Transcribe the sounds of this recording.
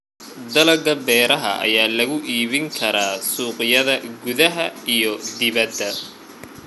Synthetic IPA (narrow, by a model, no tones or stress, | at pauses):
d̪ɐlɐɡɐbɛːɾɐɦɐ̰ʔɐ̰jaːlɐɣʊʔiːβɪŋkʰɐɾaːsuːqjɐðɐɡʊðɐɦɐijɞd̪ɪβɐd̪ːɐ